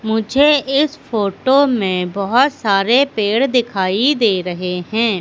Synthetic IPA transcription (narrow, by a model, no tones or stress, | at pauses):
mʊd͡ʒʱeɪspʰoːʈoːmẽbɔɦʊt̪saːɾepeːɽd̪ɪkʰaːid̪eːɾɐɦeɦɛ̃ː